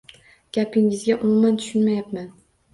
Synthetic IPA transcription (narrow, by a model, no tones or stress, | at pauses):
ɡ̥ʲapɪŋɪzɡʲaʔʊmumant̪ʰʊ̥ʃʊnmajapman